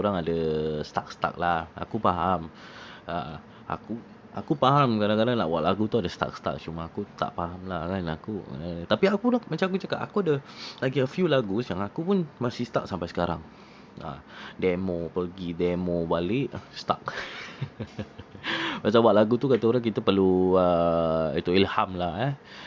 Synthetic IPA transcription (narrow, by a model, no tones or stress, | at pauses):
oɾaŋadast̪ak̚st̪a̰k̚laha̰kupaɦam | a | a̰ku | akupaɦamkadaŋkadaŋna̰ʔbwaʔlaɡut̪uadast̪a̰k̚st̪a̰k̚t͡ʃumaakut̪a̰ʔpaɦamlahkanakṵt̪apiakulamat͡ʃamak̬ut͡ʃakaʔa̰kuadalaɡiəfjulaɡusəjaŋakupunmasist̪ak̚sampajsəkaɾa̰ŋ | a̰demopərɡidemobalɪʔst̪a̰k̚ | pasabwaʔlaɡut̪ukat̪auɾaŋkit̪apəluəit̪uilhamlahə